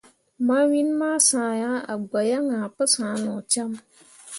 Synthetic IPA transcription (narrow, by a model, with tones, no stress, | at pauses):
ma˦wi˦nmaː˦sãː˨ja˦a̰˨ɡ͡ba˨ja˦ŋa˨pɨ˦sãː˨˦nɔ˨t͡ʃa˦m